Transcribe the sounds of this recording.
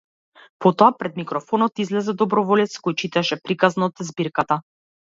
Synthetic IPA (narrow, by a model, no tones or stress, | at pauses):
pɔt̪ɔapɾɛd̪mikɾɔfɔnɔt̪izlɛzɛd̪ɔbɾɔvɔlɛt̪skojt͡ʃit̪ɛʃɛpɾikaznaɔt̪ɛzbiɾkat̪a